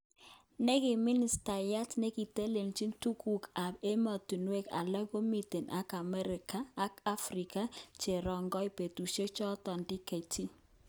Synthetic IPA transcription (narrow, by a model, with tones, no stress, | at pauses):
nɛ˦kɪ˨mɪ˦ni˨˦sta˨ja˦tnɛ˦ki˨te˦le˨mt͡ʃi˦ntu˦ku˨ka˨be˦ma˨tu˨nwe˦ka̰˨la˦ko˦mi˨te˨nʔa˦ka˨mɛ˦ɾɪ˨kaː˦ka˦fɾi˨ka˦t͡ʃe˨ɾɔ˨ŋɡɔ˦i˦pe˨tu˨ʃe˦t͡ʃɔ˦tɔ˨ndɪ˦ke˨ti˦